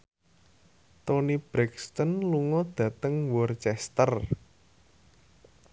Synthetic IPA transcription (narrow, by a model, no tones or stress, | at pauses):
t̪onib̥ɾɛkst̪ɔnluŋɔd̪̥ä̤t̪əŋwɔrt͡ʃɛst̪ər